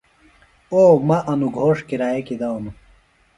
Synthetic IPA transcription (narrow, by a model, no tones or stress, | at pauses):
oːmɐʔɐnuɡʱoːʂkiɾaːjekid̪ɐonu